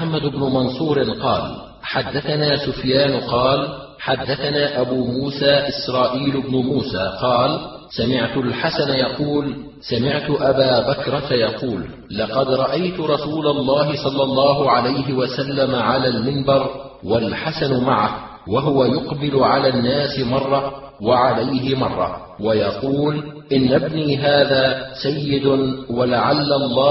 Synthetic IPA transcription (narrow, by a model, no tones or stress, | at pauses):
ħamːad̪ʊbnʊmɑnsˤuːɾɪqɑ̰ːl | ħad̪ːaθanaːsʊfjaːnʊqɑːl | ħad̪ːaθanaːʔabuːmuːsaːʔɪsɾˤɑːʔiːlʊbnʊmuːsaːqɑːl | samɪʕt̪ʊlħasanjɑquːl | samɪʕt̪ʊʔabaːbakɾˤɑt̪ajɑquːlː | ɑqɑd̪ɾˤɑʔajt̪ʊɾˤɑsuːlalˤːɑːɦɪsˤɑlːɑlˤːɑːɦʊʕalajɦɪwasalːamaʕalaːlmɪnbɑɾˤ | walħasanmaʕah | waɦʊwajʊqbɪlʊʕalaːnːaːsɪmɑrˤːɑ | waʕalajɦɪmɑrˤːɑ̰ | wajɑquːlʔɪnːabniːɦaːðaːsajːɪd̪ʊwalaʕalːalˤːɑː